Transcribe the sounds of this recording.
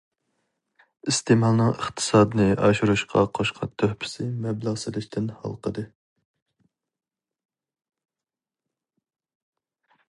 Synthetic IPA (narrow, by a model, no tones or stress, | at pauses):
ist̪emɑlˠnɨŋəχt̪ʰɨ̥sɑːd̪ɨnɨɑʃuɾuʃqʰɑ̰qʰoʃqʰɑt̪ʰːøhpʰɪ̥sɪmɛblˠɑʁsɨlɪʃt̪ʰɪnhɑ̰lˠqʰəd̪ɨ